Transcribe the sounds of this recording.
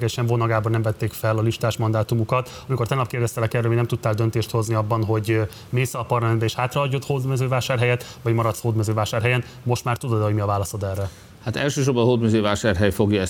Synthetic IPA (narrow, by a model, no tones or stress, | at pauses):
ɡɛʃɛɱvonɒɡaːbɒnɛmvɛt̪ːeːkfɛlɒliʃt̪aːʃmɒnd̪aːt̪umukɒt̪ | ɒmiko̞rt̪ɛnɒpkeːrd̪ɛst̪ɛlɛkɛrːɛːoiɟnɛmt̪ut̪ːaːld̪ønt̪eːʃt̪ho̞zniɒbːɒnɦo̞ɟ | meːsɛɒpɒrlɒmɛnbɛeːʃhaːt̪rɒɒɟːo̞t̪hoːd̪mɛzøːvaːʃaːrɦɛjɛt̪ʋɒɟmɒɾɒt̪shoːd̪mɛzøːvaːʃaːrɦɛjɛn | mo̞ʃt̪maːrt̪ud̪od̪ɛhoɟmiɒvaːlɒso̞d̪ɛrːɛ | hat̪ɛ̰lʃøːʃorbɒnɦoːd̪mɛzøːvaːʃaːrɦɛjfo̞ɡjɒɛ